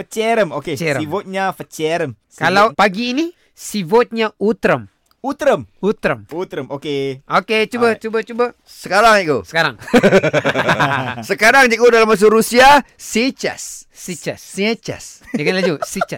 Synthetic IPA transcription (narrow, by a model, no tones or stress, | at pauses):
fət͡ʃɛɾəmoket͡ʃɛɾəivot̪̚ɲafət͡ʃɛɾəm | kalawpaɡiːni | sivot̪̚ɲaut̪ɾəm | ut̪ɾəmut̪ɾəmut̪ɾəmokeoket͡ʃubət͡ʃubət͡ʃubə | səkaɾaŋikɡo̰sə̥kaɾaŋ | səkaɾaŋd͡ʒiɡodalamas̬uɾusia | sit͡ʃa̰s | sit͡ʃast͡ʃa̰s | dəɡanlad͡ʒusit͡ʃa